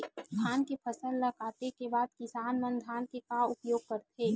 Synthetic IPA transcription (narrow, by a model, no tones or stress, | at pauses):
k̪ʰaːnkepʰɐsəlːəkaːt̪ekebaːd̪̚kɪsaːnmənd̪ʱaːnkekaʊpjoːɡ̚kɐɾt̪eː